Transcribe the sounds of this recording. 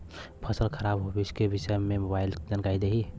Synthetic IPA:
pʰəsəlkʰəɾabɦobeskebɪʃəjmẽmobaild͡ʒənkaid̪eɦi

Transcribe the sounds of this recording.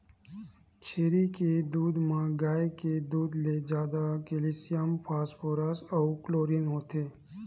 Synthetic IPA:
t͡ʃʰeːɾiked̪uːd̪mãɡaːjeked̪uːd̪led͡ʒjaːd̪akelisijəmpʰaːspʰoːɾasɐukloːɾinɦoːt̪eː

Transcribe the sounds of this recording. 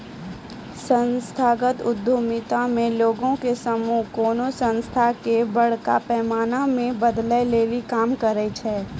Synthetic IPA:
sə̃nst̪ʰaːɡət̪ʊd̪ʱjomɪt̪amẽloːɡõkesɐmukoːnosə̃nst̪ʰakebɐɽ̤ka̰pɛːmaːnamẽbəd̪ləleːlikaːmkəɾət͡ʃʰɛː

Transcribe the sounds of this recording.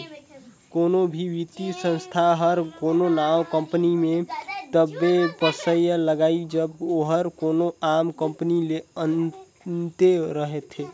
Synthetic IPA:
konobʱiʋit̪isə̃nst̪ʰaɦəɾkononawkəmpənimet̪əbːepəsəjələɡaid͡ʒəboɦəɾkonoamkəmpənileən | t̪eɾəɦet̪ʰɦe

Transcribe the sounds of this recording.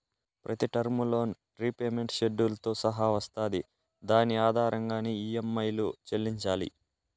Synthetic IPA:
pɾʔɐt̪iʈɐɾmulo̞ːn | ɾipeːme̞ɳʈʃeɖːulɐt̪o̞ːsɐɦaːʋɐst̪aːd̪i | d̪aːniaːd̪ʱaːɾʔɐŋɡaːneːiemːɐjlut͡ʃelːiɲt͡ʃaːlḭ

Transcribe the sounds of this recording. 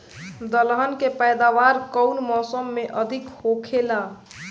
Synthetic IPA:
d̪əlɦənkepəjd̪aʋaɾkəʊnmɔsəmːeʔəd̪ʱikhokʰela

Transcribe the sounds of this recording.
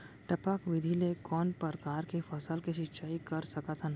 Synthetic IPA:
ʈɐpakʋɪd̪ʱilekɔːnpəɾkaːɾkefʰəsəlkeʃɪt͡ʃaːikɐɾsəkət̪ɦən

